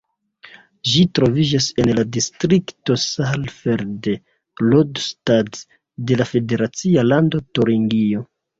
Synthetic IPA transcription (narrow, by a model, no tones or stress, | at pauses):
ʒitɾo̞vid͡ʒase̞nladistɾikto̞salfeɾde | lodstat | de̞lafe̞de̞ɾat͡sialando̞toɾiŋɡio̞